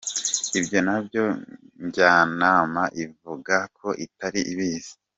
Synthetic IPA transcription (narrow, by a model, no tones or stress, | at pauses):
ibɟo̞nabjo̞ | ɲɟaːnaːmaʔivuɡakʰo̞ʔitaɾiʔiβiːz̥i̥